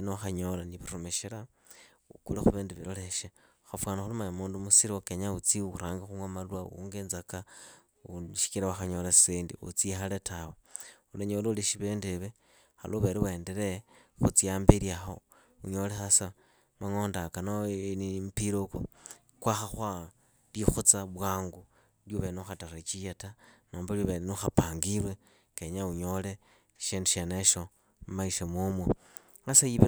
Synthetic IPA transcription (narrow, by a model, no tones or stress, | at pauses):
noaxaɲolaniβiɾomeʃila | ukulexuβeːndeβiɾoleʃeuxafwaːnaxulumaɲamuːndumusiɾiokeɲaut͡siuɾaːŋɡaxuŋwamaluwaṵŋɡeːnzaka | uʃi̥kiɾawaxaɲolassiːndḭṵt͡sixaletaweuleɲoːleuliʃiβeːndeβe | xa̰lʔoβeɾiweːndeɾexut͡siaːmbiɾjaxo | uɲolexasa | maŋo̞ːndakanonimpiɾoko | kwaxaxwa | lixut͡saβwaːŋɡu | ljuβenuxataret͡ʃijetanoːmbaljuβelenuxapaŋɡilwe | keɲauɲo̞le | ʃinduʃeneʃo | mmaiʃemumwe | ŋasajiβ